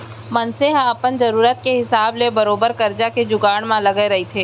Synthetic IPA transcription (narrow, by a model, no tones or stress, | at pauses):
mɐnseɦaɐpənzɐɾuːɾət̪keɦɪsaːblebɐɾoːbəɾkɐɾd͡ʒaked͡ʒʊɡaːɽ̃mãlɐɡeɾɐɦit̪ʰeː